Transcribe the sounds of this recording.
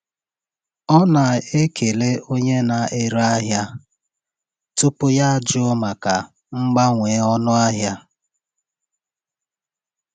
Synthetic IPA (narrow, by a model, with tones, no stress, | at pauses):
ɔ˦na˨e˦kʰe˨le˦o˦ɲe˦na˨e˦ɾa˦ɦja˦ | tʊ˦pʊ˦ja˦d͡ʒʊ˦ma˨ka˨ | ŋ͡m̩˦ɡ͡ba˦ŋʷe˨˦ɔ˦nʊ˦a˦ɦja˦